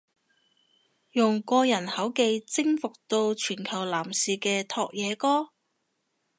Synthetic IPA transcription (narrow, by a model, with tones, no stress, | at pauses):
jʊ˨˩ŋkɔː˧jɐ˨˩nhɐ˨˥wke˧jt͡sɪ˥ŋfʊ˨k̚t̪o˧wt͡ʃʰyː˨˩nkʰɐ˨˩wlaː˨˩msiː˨kɛː˧t̪ʰɔː˧k̚jɛː˨˧kɔː˥